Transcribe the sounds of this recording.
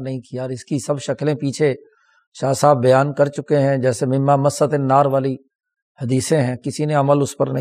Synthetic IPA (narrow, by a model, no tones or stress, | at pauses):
nɐɦĩkɪjaːɾɪskisəbʃɐklẽpiːt͡ʃʰe | ʃaːsaːbːɐjaːnkəɾt͡ʃʊkeɦɛ̃d͡ʒɛːsemɪmmamɐsːət̪ɪnːaːɾʋaːli | hɐd̪iːsẽɦɛ̃ːkɪsineɐməlʊspəɾnə̃